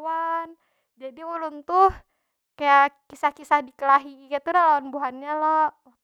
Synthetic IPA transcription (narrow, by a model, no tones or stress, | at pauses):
wan | d͡ʒadiulunt̪uh | kajakisahkisahdikəlaɦikat̪udalawanbuɦanɲalɔ